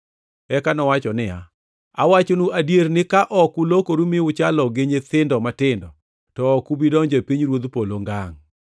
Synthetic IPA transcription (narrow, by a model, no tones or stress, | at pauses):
ɛkanɔwat͡ʃɔnɪja̰ | awat͡ʃonuʔadjeɾnɪkaʔɔkulokoɾumiʊt͡ʃalɔɡeɲet̪ɪndɔmatɪndɔ | tɔːkubidɔɲd͡ʒepiɲɾwod̪poloŋɡaŋ